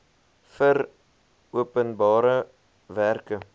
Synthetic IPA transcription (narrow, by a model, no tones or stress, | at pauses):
fər | uəpənbɑːɾə | værkə